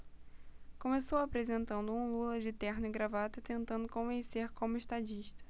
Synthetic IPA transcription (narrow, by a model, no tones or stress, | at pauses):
kõmesowapɾezẽnt̪ɐ̃nd̪ʊũlulɐd͡ʒɪt̪ɛɾnɪɡɾavat̪ɐt̪ẽnt̪ɐ̃nd̪ʊkõvẽseɾkõmʊeʃt̪ad͡ʒiʃt̪ɐ̥